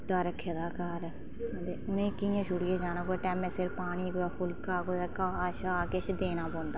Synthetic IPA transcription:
t̪aːɾəkʰːeːd̪aːkəɾ | d̪eːʊnẽːkɪjãːʃʊɽɪeːd͡ʒaːnãːkoeʈɛːmẽsɪɾpaːɽ̃iːkoaːpʰʊlkaːkod̪akaːaːʃakeʃd̪eːnaːpɔ̃ːnd̪aː

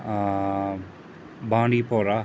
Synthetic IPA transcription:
bãːɳɖipoːɾa

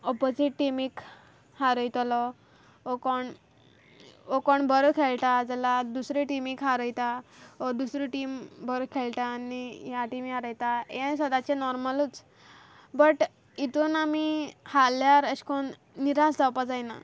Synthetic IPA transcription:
ɔpod͡ziʈːimik | haɾəjt̪ɔlɔ | okɔɳ | okɔɳbəɾkʰeɭʈad͡zalad̪usɾiʈimikɦaɾəjt̪aɔd̪usɾiʈimbəɾəkʰeɭʈ̪aːnijaʈimiɦaɾəjt̪aḛ̃səd̪at͡ɕenɔɾməlut͡s | bəʈ | it̪unamihaljaɾəɕkon | niɾasd͡zawpad͡zajna̰

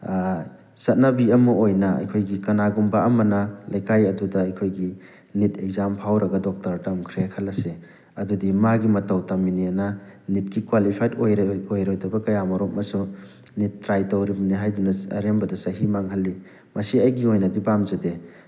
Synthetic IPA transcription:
sɐt̚nɐbiɐmuojnɐɐ̰jkʰojɡikɐnaɡumbaɐmɐnɐlɐjkajɐdudɐɐjkʰojɡi | nitʰek̚zampʰawɾɐɡɐdɔk̚tɐɾtɐmkʰɾekʰɐlɐse | ɐdudimaɡimɐtɐwtaminiɐnɐnit̚ɡikwalipʰajtojɾojɾojdɐbɐkɐjamɐɾɔt̚mɐsunitːɾajtɐwɾibɐniɦajdunɐɐ̰ɾembɐdɐsɐɦimaŋɦɐlːi | mɐsiɐjɡiojnɐdipamzɐde

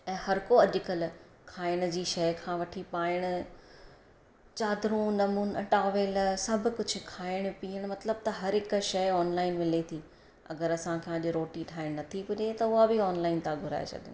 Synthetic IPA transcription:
ɛ̃ːhɐɾkoɐʄɪkəl | kʰaːɪɽ̃d͡ʑiːʃɐjkʰãːʋɐʈʰipaːɪɽ̃ʊ | t͡ɕaːd̪ɾũnɐmuːnʈaːʋeːlsɐbʱʊkʊd͡ʑʱʊ̆kʰaːɪɽ̃piːəɽ̃mɐt̪ləb̚t̪ɐɦɐɾɦɪk̆ʃɐɔːnlaːɪnmɪlet̪ʰiː | ɐ̰ɡəɾɐsãkʰãʄɾoːʈiʈʰaːɪɽ̃nɐt̪ʰipʊɗet̪ɐʊɦabɪɔːnlaːɪnt̪ãɡʱʊɾa̰ːḛt͡ɕʰɐ̰d̪ɪn

